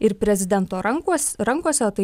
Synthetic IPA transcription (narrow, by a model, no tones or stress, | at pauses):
ɪɾpʲɾʲɛzʲɪd̪ʲɛnt̪oːɐŋksɾɐŋkuɔsʲɛɐt̪ɐɪ